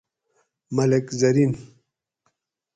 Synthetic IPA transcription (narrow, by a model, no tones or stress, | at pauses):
mɐlekzɐɾin